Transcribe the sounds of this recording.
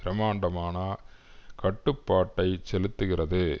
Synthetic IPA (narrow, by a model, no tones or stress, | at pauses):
ɾɐmaːɳɖɐmaːnɐ | kɐʈːɯpːaːʈːɐɪt͡ʃɛlɯt̪ːɯɣɪrɐðɯ